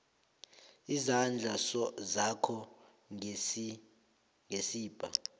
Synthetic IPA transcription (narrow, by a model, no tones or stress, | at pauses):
izand͡ɮʱasɔzakʰɔ | ŋʱesiːb̥ʱa̰